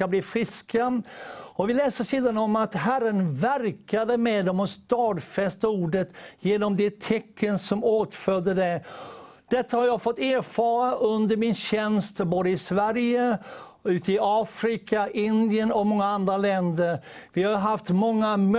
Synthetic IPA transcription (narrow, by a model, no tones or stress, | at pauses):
abliːfɾɪska | ɔvɪlɛːsəʂiːd̪anɔmat̪ɦæɾːənvæɾkad̪əmɛːd̪ɔmɔst̪ɑːd̪fɛst̪auːɖət̪jeːnɔmd̪ɛt̪ʰɛkːənsɔmoːt̪fœd̪ːəd̪ɛ | d̪̥ɛt̪ːahaɾjɑːɡfɔt̪ːeːɾfɑːɾaʔɵnd̪əɾmɪnɕɛnst̪boːd̪əɪsvæɾjə | ʉ̟ːt̪əɪɑːfɾɪkaʔɪnd̪ɪənɔmɔŋːaand̪ɾalɛnd̪əɾvɪhajɦaft̪mɔŋːam